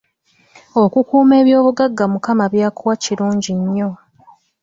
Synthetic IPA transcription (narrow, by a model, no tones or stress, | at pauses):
o̞kukuːme̞ːβjo̞ːβuɡaɡːamukamaβjaːkuwaciɾuːɲɟiɲːo̞